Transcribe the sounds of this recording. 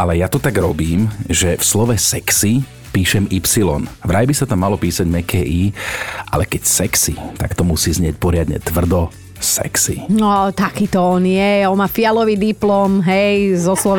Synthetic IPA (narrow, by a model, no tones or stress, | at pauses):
ʔalɛjat̪ɔt̪aɡɾɔbiːmʒɛfslɔʋɛsɛksi | piːʃɛmipsilɔ̰nʋɾajbisat̪amːalɔpiːsaɟmɛkʰɛːʔiːʔa̰lɛkɛcsɛksḭt̪akt̪ɔmusiːzɲɪɛc̚pɔɾɪad̪ɲɛ̰t̪ʋr̩d̪ɔ | sɛ̰ksinɔt̪akiːt̪ɔɔnjɛɔnmaːfialɔʋiːd̪iplɔːmɦɛjzɔslɔ